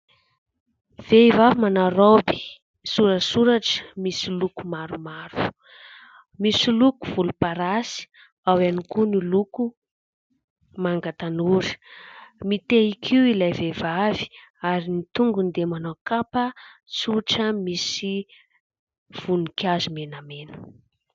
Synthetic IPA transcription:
v̥evavimanaɾobi̥ | suɾəsuɾaʈ͡ʂə̥misilukumaɾumaɾu̥ | misilukuv̥ulupaɾasi̥ | awanikuniluku | maŋɡat̪anuɾi̥ | mit̪eikʰiwilajvevavi̥aɾinit̪uŋɡund̪emanokapəsuʈ͡ʂəmisi | v̥unikjazumenamenə̥

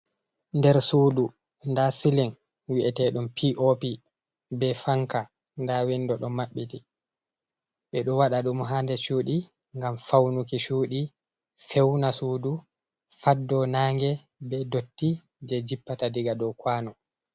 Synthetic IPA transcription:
ndɛɾsuːdu | ndasilin | wiʔɛtɛɗɔmpʰiʔopi | bɛfaŋka | ndawɛndɔɗɔmaɓːiti | ɓɛɗɔwaɗaɗumɦandɛʃuːɗi | ŋɡamfawnukiʃuːɗi | fɛwnasuːdu | fadːɔnaːŋɡɛ | bɛdotːi | d͡ʒɛd͡ʒipːatadiɡadɔwkwanɔ

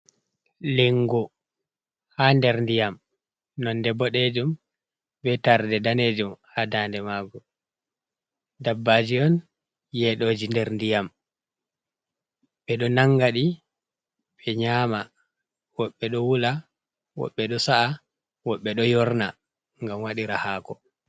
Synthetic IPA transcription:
leŋɡu | handɛɾndijam | nɔndɛbɔɗed͡ʒum | bɛtaɾdɛdaned͡ʒumhadaːndɛmaːɡɔ | dabːad͡ʒiɔn | jɛɗoːd͡ʒindɛɾndijam | ɓɛɗɔnaŋɡaɗi | ɓɛɲama | wɔɓːɛɗɔwula | wɔ̰ɓːɛɗɔsaʔa | wɔɓːɛɗɔjɔɾna | ŋɡamwaɗiɾahaːkɔ

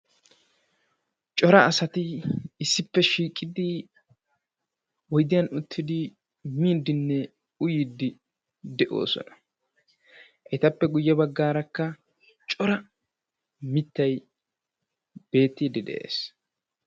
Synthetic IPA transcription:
t͡ʃʼɔɾɐɐsɐt̪ɪɪsːɪpːɛʃiːkʼɪd̪ɪ | wɔjd̪ɪjɐnʊt̪ʰːɪd̪ɪ | miːd̪ːɪnːɛ | ʊjiːd̪ːɪ | d̪ɛʔo̞̰ːsɔ̰nɐ̥ | ʔɛt̪ɐpːɛɡʊjːɛbɐɡːaːɾɐkːɐ | t͡ʃʼɔɾɐ | mɪt̪ːɐj | b̥e̞ːt̪ːiːd̪ɪd̪ɛ̰ʔḛːs

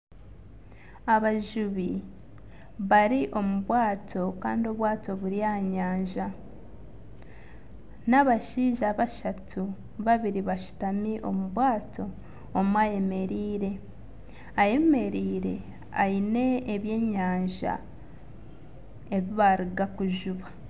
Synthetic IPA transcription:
aβaʒuβi | βaɾiʔo̞muβwaːtʰo̞ka̰ːndio̞βwaːto̞βuɾijaɲaːɲʒa | naβaʃiːʒaβaʃatʰu | βaβiɾiβaʃu̥tamiʔo̞̰muβwaːto̞ː | muaje̞me̞ɾiːɾe̞ | aje̞me̞ɾiːɾe̞̰ | a̰ine̞ːβje̞ːɲaːɲʒa̰ | e̞βiβaɾiɡakuʒuβa

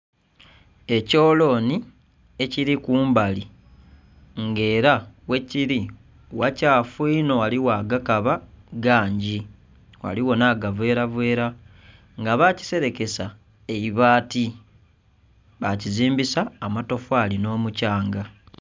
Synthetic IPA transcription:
e̞co̞ːlo̞ːni | e̞ciɾikuːmbali | ŋɡe̞ːɾawe̞ciɾi | wacaːfwiːno̞waliwaɡakaβaɡaːɲɟi | wa̰liwo̞naɡave̞ːɾaβwe̞ːɾa | ŋɡaβaci̥se̞ɾe̞ke̞sa | eiβaːti | βaciziːmbisaːmato̞fwaːlino̞ːmucaːŋɡa

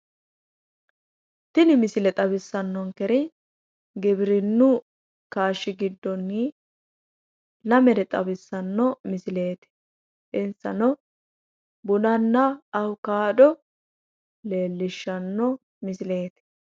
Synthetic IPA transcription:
t̪ɪnɪmɪsɪlɛt̪ʼɐβɪsːɐnːɔŋkɛɾɪ | ɡɪbɪɾɪnːʊ | kaːʃːɪɡɪd̪ːɔnːi | lɐmɛɾɛt̪ʼɐbɪsːɐnːɔmɪsɪle̞ːt̪ɪ̥ | ɪnsɐ̰nɔ | bʊnɐnːɐɐwkaːdɔ | le̞ːlːɪʃːɐnːɔ | mɪsɪle̞ːt̪ɪ̥

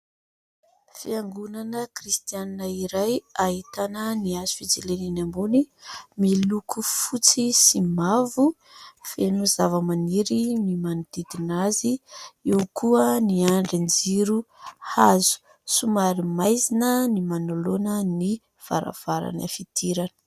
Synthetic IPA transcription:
fiaŋɡunanəkrist̪ijaninaiɾajaɦit̪anəniazu̥fit͡seleninambunimilukʰufut͡sisimavu | fenuzavəmaniɾinimanud̪̥id̪inaziewkʰuəniaɳɖ͡ʐind͡ziɾuhazu̥ | sumaɾimajzinənimanolonəni | v̥a̰ɾa̰v̥aɾa̰nə̰fit̪ʰiɾanə̥

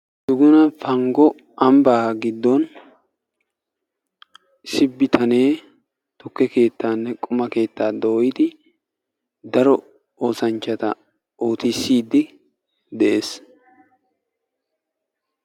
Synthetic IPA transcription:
d̪̥ʊɡʊnɐfɐŋɡɔ | ʔɐmbaːɡɪd̪ːɔn | sɪbːɪt̪ʰɐne̞ː | t̪ʊkːɛke̞ːt̪ːaːnːɛkʼʊmɐke̞ːt̪ːaːd̪ojɪd̪ɪ | d̪ɐɾɔ | o̞ːsɐnt͡ʃːɐt̪ɐ̰ | oːt̪ɪsːiːd̪ːɪ | d̪ɛʔe̞ːs

